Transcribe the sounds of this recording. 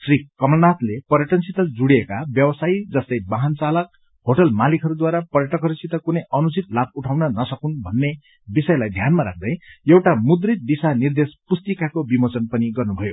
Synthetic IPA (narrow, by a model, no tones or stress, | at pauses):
srikʌmlʌnat̪lepʌɾjʌʈʌnsit̪ʌd͡zuɽijekabjʌbʌsaid͡zʌst̪ʌjbaɦant͡salʌk̚ | hoʈʌlmalikʰʌɾud̪waɾapʌrjʌʈʌkʌɾusit̪ːʌkunʌjʌnut͡sit̪lab̚uʈʰawnʌnʌsʌkunbʱʌnːe | bisʌjlajd̪ʱjanmaɾa̰k̚ʰd̪ʌjjewʈamud̪rit̪̚d̪isanird̪espust̪ikakobimʌt͡sʌnpʌniɡʌrnubʱʌjo